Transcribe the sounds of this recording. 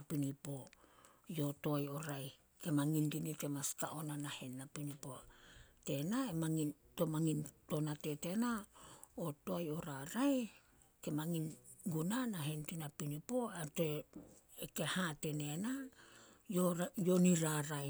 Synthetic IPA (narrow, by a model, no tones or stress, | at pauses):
pinipo̞ | jo̞to̞ajo̞ɾaj | ke̞maŋindinite̞maskaʔo̞nanahe̞nːapinipo̞te̞naemaŋin | to̞maŋinto̞nate̞te̞naoto̞ajo̞ɾaɾaj | ke̞maŋinɡunanaɦe̞ntinapinipo̞ete | eke̞hate̞ne̞na | jojo̞niɾaɾaj